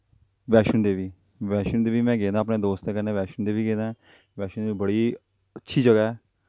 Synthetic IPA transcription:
ʋɛːʃənd̪eːʋiː | ʋɛːʃənd̪eːʋiːmɛ̃ːɡẽːd̪aːp̬neːd̪oːst̪eːkəɾneːʋɛːʃənd̪eːʋiːɡẽːd̪ãː | ʋɛːʃənd̪eiːbəɽiː | ətːʃʰiːd͡ʒəɡaːɦɛː

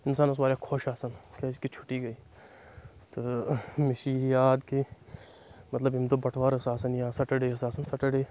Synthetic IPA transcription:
ɪnsaːnʊs̬maːɾakʰoːʃaːsɐnkɐɪskit͡ʃʰʊ̥ʈiɡɐiː | t̪omɪʃijaːd̪ki | mɐt̪ləbɪmt̪obɐʈʰʋaːɾɐsaːsɐnjɐãsɐʈəɖeːɐsaːsɐnsɐʈəɽe

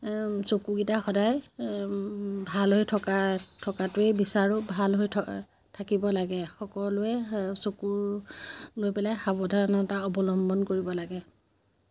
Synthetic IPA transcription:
sokuɡitaxɔdaj | bʱalɦojtʰɔkatʰɔkatʊejbisaɹɔbʱalɦojtʰ | tʰakibɔlaɡɛxɔkɔɹlʊɛsokuɹ | lojpɛlajxabɔdʱaɹɔnɔtaɔbɔlɔmbɔnkoɹibɔlaɡɛ

